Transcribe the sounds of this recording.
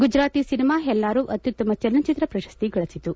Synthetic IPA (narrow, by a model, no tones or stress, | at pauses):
ɡud͡ʒɾaːt̪iːsinimaːɦɛlːaːɾuːʔɐt̪jut̪ːɐmɐt͡ʃɐlːɐt͡ʃit̪ɾɐpɾɐʃɐ̥st̪iɡɐɭɐsit̪u